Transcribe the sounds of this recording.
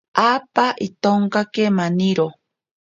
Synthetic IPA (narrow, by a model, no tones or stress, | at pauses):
aːpaʔit̪oŋkakemaniɾo